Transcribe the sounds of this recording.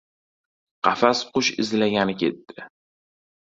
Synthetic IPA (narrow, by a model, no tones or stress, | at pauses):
qʰɑfasqʊʃɪ̰zlaɡʲanɪkʲʰe̞t̪ːɪ